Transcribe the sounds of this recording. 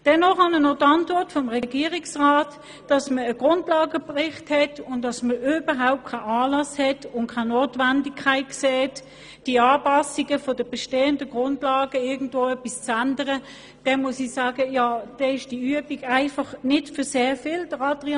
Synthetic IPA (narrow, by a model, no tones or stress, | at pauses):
d̥ɛnːɔχɑnənɔtɑntvɔɐtfɔmʁɛɡ̥iːəʁiksʁaːt | d̥ɑsməəɡ̥ʁʊndlɑːɡəpʁɪχthɛtʊntːɑsməʔybɐɦaʊp̚t̚kʰaɪɑːlɑshɛtʊntkʰaɪnoːtvandikʰːaɪt̚kseːt | d̥iəɑːpɑsiɡəfɔd̥əb̥ɛʃteːəndəɡ̥ʁʊndlɑːɡ̥əɪɐɡn̩dvoːœpist͡sandəʁə | d̥ɛnmuəsisɑːɡəjɑːd̥ɛɪʃd̥iyəbiɡaɪfɑχnɪtfʏɐseːfɪːld̥əʁɑd̥ʁi